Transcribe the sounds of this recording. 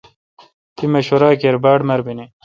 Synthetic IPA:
t̪imɐɕoɾaːkeɾbaːɽmɐɾbine

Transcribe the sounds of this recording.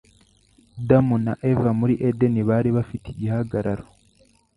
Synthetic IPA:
damuna̰ʔevamuɾiʔedeniβaːɾiβafiteɟihaɡaɾaɾo

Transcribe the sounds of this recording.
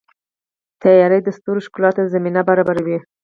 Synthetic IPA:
t̪ajɑɾəjd̪əst̪uɾoʃkulɑt̪ozaminabaɾɑbaɾawi

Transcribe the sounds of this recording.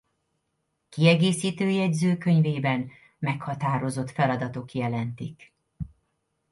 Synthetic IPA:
kiɛɡeːsiːt̪øːjɛɟzøːkø̞ɲveːbɛn | mɛkhɒt̪aːɾo̞zo̞t̪fɛlɒd̪ɒt̪o̞kjɛlɛnt̪ik

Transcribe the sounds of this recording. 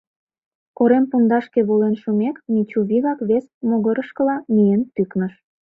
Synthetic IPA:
koɾempund̪ɑʃkeβolenʃumeknit͡ɕuβiɣɑkβesmoɣəɾəʃkəlɑmijent̪yknəʃ

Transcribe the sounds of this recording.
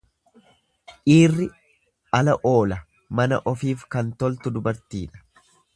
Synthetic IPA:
ʔiːrːɪ | ɐlɐʔo̞ːlɐ | mɐnɐ̰ʔɔfiːfkɐnt̪ɔlt̪ʊd̪ʊbɐɾt̪iːᶑɐ̥

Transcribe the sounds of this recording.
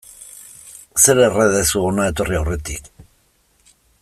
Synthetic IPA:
seɾereðesuonae̞t̪o̞riawre̞t̪ik

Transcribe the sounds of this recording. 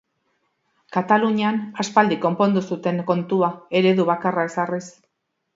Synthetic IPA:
kat̪aluɲeanaspald̪iko̞mpo̞nd̪usut̪e̞ŋko̞nt̪uae̞ɾe̞ðuβakarae̞saris

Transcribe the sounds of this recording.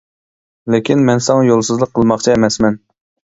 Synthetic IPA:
lɪkʲinmɛnsɑŋɑjolˠsɨzlˠəqʰːəlˠmɑχt͡ʃʰiemɛsmɛn

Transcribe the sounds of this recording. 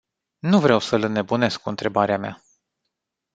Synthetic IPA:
nuvɾewsələne̞bune̞skuɨnt̪ɾe̞baɾeamea̰

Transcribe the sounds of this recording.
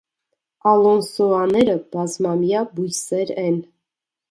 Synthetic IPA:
ɑlɔnsɔɑnɛɾəb̥ɑzmɑmjɑbujsɛɾɛn

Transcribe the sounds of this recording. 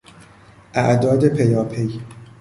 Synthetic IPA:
ʔæʔd̪ɒːd̪epʰej̪ɒːpʰej

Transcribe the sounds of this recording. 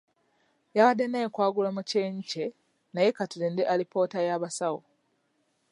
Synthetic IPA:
jaɣadːenekwaːɡulamuce̞ːɲice̞ | naje̞katulendeʔalipo̞ːtajaβasawo̰

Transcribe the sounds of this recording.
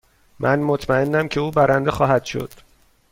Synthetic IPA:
mʔænmot̪ʰmæe̞nːæmcʰe̞uːbæɾænd̪exɒːɦæd̪̥ʃo̞̰d̪̥

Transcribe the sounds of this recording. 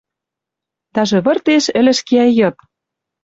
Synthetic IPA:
t̪ɑʒĕβɤ̆rt̪eʃɘ̆lɘ̆ʃkeɑjɤ̆t̪̚

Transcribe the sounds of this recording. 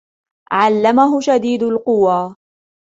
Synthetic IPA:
ʕalːamaɦʊʃad̪iːd̪ʊlqʊwaː

